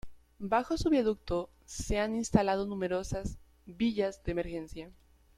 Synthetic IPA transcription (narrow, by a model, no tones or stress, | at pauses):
baxo̞suβeðuk̚t̪o | se̞aninst̪alað̞o̞nũme̞ɾo̞saz | biʝazðeːme̞ɾxe̞nsja